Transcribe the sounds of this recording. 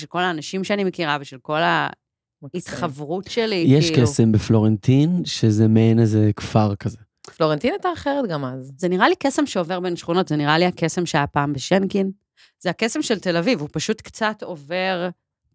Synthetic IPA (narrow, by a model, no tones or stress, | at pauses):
elko̞laːnaʃimʃeanimekiʁaveʃelko̞la | it̪χavʁutʃelijɛʃkesembeflo̞ʁent̪inʃezemeenezekfaʁkaze | floʁent̪inajt̪aːχeʁet̪ɡamazzeniʁalikesemʃeo̞ve̞ʁbenʃχuno̞tzeniʁaliake̞se̞mʃeajapaːmbeʃenkin | zeake̞se̞mʃelte̞lavivupaʃut̪kt͡sat̪o̞ve̞ʁ